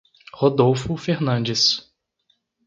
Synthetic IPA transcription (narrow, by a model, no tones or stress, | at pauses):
hod̪owfʊfeɾnɐ̃nd͡ʒɪs